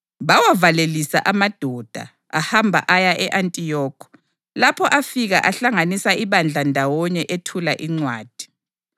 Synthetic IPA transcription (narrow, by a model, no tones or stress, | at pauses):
βawavalelisa̰ʔamad̥ʱɔd̥ʱa̰ | ahambʱa̰ʔajaʔɛʔantʼijɔːkʰɔ̥ | lapʰɔʔafiɣaʔaɬaŋanisaʔiβand͡ɮʱandʱawɔɲɛʔetʰulaʔiŋ͡ǀwaːd̥ʱi̥